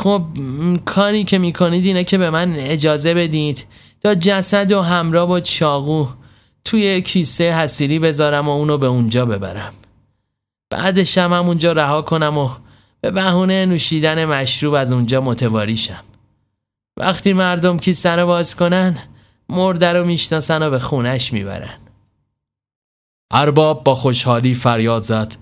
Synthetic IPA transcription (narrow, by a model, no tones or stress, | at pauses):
xob̚kʰɒːɾiːcʰe̞miːkʰo̞niːd̪iːnɛcʰe̞be̞mæne̞d͡ʒɒːze̞be̞d̪id̪̥ | t̪ʰɒːd͡ʒæsæd̪oɦæmɾɒːbot͡ʃʰɒːɣuː | t̪ʰujecʰiːsejɦæsiːɾiːbe̞zɒːɾæmouːnobeund͡ʒɒːbe̞bæ̰ɾæm | b̥æ̰ːd̪e̞ʃæmhæmund͡ʒɒːɾæɦɒːkʰo̞næmo | b̥e̞bæhuːnejenuːʃiːd̪æne̞mæʃɾuːbæzund͡ʒɒːmo̞t̪ʰe̞vɒːɾiːʃæm | væ̰χt̪ʰiːmæɾd̪o̞mcʰiːsæno̞bɒːzko̞næn | moɾd̪æɾomiːʃnɒːsænobe̞xuːnæʃmḭːbæ̰ɾæ̰n | ʔæɾbɒːb̚ːɒːxo̞ʃhɒːliːfæɾjɒːd̪zæd̪̥